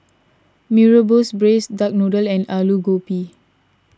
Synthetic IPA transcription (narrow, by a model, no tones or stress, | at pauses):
miɹəbosbɹesdak̚nodəlɛ̃naluɡopi